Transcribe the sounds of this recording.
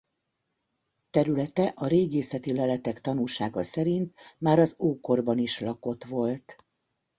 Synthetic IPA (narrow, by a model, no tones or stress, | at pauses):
t̪ɛɾylɛt̪ɛʔɒɾeːɡeːsɛt̪ilɛlɛt̪ɛkt̪ɒnulʃaːɡɒsɛɾint̪maːɾɒzoːko̞rbɒniʃlɒko̞t̪ʋo̞lt̪